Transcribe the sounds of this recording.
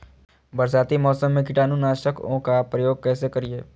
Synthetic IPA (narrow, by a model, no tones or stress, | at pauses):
bəɾsaːt̪imɔːsəmːẽkɪʈaːnũnaːʃəkõ̰kapɾəjoːɡ̚kɛːsekəɾieː